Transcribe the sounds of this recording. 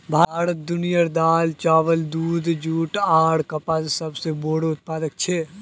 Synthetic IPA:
bʱaːɾət̪̚d̪ʊnijəɾd̪aːlt͡ʃaːʋəld̪uːd̪d͡ʒuːʈaːɽkɐpaːzsɐbseboːɽʊt̪̚paːd̪ək̚t͡ʃʰeː

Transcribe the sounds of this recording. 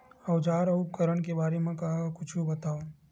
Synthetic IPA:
əwd͡ʒaːɾəʊp̚kəɾəɳkebaːɾemãkɐɦakʊt͡ʃʰubət̪aːo

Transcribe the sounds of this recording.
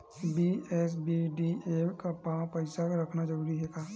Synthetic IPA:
biɛs̬biɖiemkapãpəɪsakɾɐkʰnad͡ʒɐɾuːɾiɦɛːkaː

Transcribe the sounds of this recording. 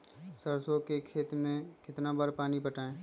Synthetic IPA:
səɾsõkekʰeːt̪mẽkɪt̪nabaːɾpaːnipəʈaːẽː

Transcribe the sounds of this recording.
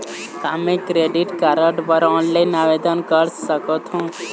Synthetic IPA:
t̪amẽkɾeːɖiʈkaɾəʈpəɾɔːnlainaʋed̪ənkəɾsəkot̪ʰɦũ

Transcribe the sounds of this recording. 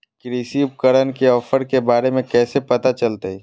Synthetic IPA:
kɾiːsiːp̚kəɾənkeɔːfəɾkebaːɾemẽkɛːsepɐt̪at͡ʃɐlt̪aɦɛː

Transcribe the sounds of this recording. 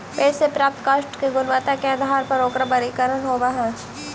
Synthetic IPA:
peːsepɾaːp̚t̪kaːʃʈkeɡʊnʋat̪akeɐd̪ʱaːɾpɐɾoːkɾabɐɾikəɾənɦoːbaɦɛ̃ː

